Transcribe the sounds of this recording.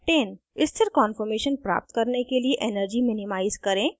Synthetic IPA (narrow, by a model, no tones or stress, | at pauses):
ʈeːn | ɪst̪ʰɪɾkɔ̃ːnfəɾmeːʃənpɾa̰ːp̚t̪kɐɾnekelieʔenəɾd͡ʒimɪnɪmaːɪzkɐɾẽː